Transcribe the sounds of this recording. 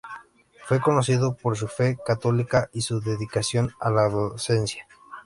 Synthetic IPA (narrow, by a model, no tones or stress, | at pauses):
fwe̞ko̞no̞s̬iðopoɾs̬ufe̞kat̪olikaʔisuðeðikasjo̞nalaðose̞nsja